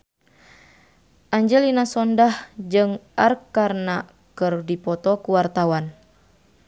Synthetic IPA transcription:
ʔaɲd͡ʒəlinasɔndahd͡ʒɨŋʔarkarna | kɨrdipɔt̪ɔkuwart̪awan

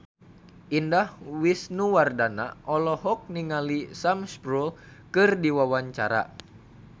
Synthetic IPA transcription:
ʔindahwisnuwardana̰ʔɔlɔhɔk̚niŋalisamspɾulkɨrdiwawaɲt͡ʃaɾa̰

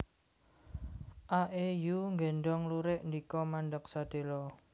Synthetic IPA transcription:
ʔaʔejuŋɡeɳɖɔŋluɾɪʔndikɔmanɖək̚sad̪̥e̤lɔ

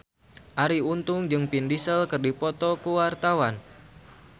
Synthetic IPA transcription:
ʔaɾiunt̪ʊŋd͡ʒɨŋpindisəlkərdipɔt̪ɔkuwart̪awan

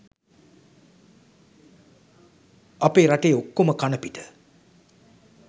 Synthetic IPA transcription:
apeːɾaʈeokːoməkanəpiʈə̥

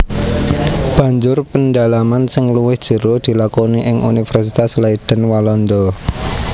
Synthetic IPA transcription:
b̥ä̤ɲd͡ʒʊrpəndalamansɪŋluwɪhd̥ʒ̥ə̤ɾod̪̥i̤lakoniʔɪŋʔṵnifərsit̪aslaid̪̥ə̤nwalɔnd̪o

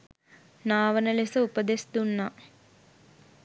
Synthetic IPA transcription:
naːʋənəlesəupəd̪esd̪unːa

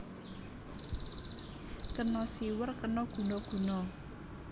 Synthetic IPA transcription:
kənɔsiwərkənɔɡ̥ṳnɔɡ̥ṳnɔ

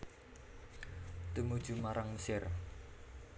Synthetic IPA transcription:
t̪umud̥ʒ̥ṳmaɾʔaŋməsɪr

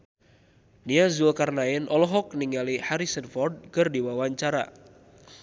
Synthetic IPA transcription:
niazulkarnaɪnʔɔlɔɦɔk̚niŋalihaɾisənfɔrd̚kɨrdiwawaɲt͡ʃaɾa

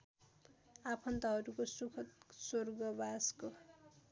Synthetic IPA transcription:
apʰʌnt̪ʌɦʌɾukosukʰʌt̪sorɡʌbasko

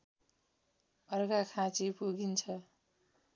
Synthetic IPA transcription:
ʌrɡakʰãt͡sipuɡint͡sʰʌ

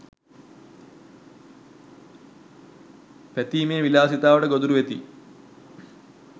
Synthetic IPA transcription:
pet̪iːmeːʋilaːsit̪aːʋɐɽeɡod̪uɾuʋet̪ḭ

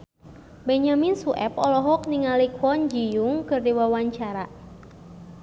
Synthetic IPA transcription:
bɛɲaminsuʔɛ̰pɔlɔɦɔk̚niŋalikwɔnd͡ʒijuŋkɨrdiwawaɲt͡ʃaɾa

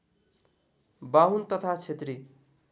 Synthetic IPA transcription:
baɦunt̪ʌt̪ʰat͡sʰet̪ri

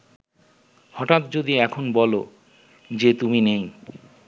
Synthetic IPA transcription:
hɔʈat̪̚d͡ʑod̪iɛkʰonbɔlo | d͡ʑet̪uminej

